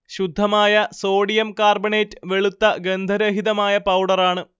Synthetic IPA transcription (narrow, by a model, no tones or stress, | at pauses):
ɕud̪ʱːɐmaːjɐso̞ːɽijɐmkaːrbɐɳeːtːɨ̥ʋe̞ɭut̪ːɐɡend̪ʱɐɾɐɦiðɐmaːjɐpɐwɽɐraːɳɨ